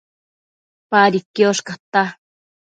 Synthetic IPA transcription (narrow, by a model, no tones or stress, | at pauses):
paɾikːioʃkat̪a